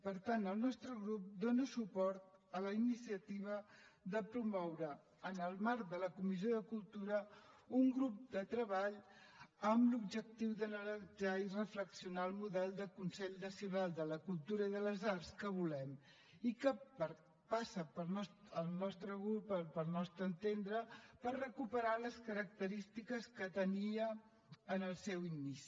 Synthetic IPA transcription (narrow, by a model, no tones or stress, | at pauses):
pəɾt̪anəlˠnɔst̪ɾəɣɾup̚d̪onəsupɔɾt̪ələinisiət̪iβ̞əðəpɾumɔwɾəː | nəlˠmaɾkd̪ələkumizioðəkulˠt̪uɾəuŋɡɾup̚d̪ət̪ɾəβaʎ | əmlub̚d͡ʒək̚t̪iwðənəɾəd͡ʒairəfləksiunaəlˠmuðɛlˠd̪əkunsɛʎnəsiunalˠd̪ələkulˠt̪uɾəiðələzarskəβ̞ulɛm | ikəpəɾ | pasəpəlˠnɔsəlˠnɔst̪ɾəɣɾupəpəlˠnɔst̪ɾəːnt̪end̪ɾəpərrəkupəɾaləskəɾək̚t̪əɾist̪ikəskət̪əniəː | nəlˠsɛwinisi̥